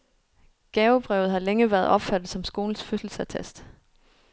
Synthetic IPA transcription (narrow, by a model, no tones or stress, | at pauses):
ɡ̥ɛːʊb̥ʁɛʊð̩ˠɦɑ̈leŋəʋæɐð̩ˠɒ̽b̥fæd̥ð̩ˠsɒ̽msɡ̥o̝ːln̩sføsl̩sæt͡sʰesd̥